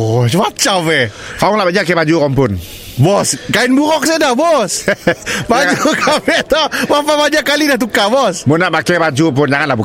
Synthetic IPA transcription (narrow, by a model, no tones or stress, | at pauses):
t͡ʃwat͡ʃavɛ | faʊŋlaʔbad͡ʒakɛbad͡ʒuɣɔmpʊn | bɔskaɪnbuɾɔk̚sɛdahbɔs | bad͡ʒukafɛʔt̪ɔmapabaɲakːalidaht̪̬ukabɔsmunaʔbakɛbad͡ʒup̬ʊnd͡ʒaŋanlahbu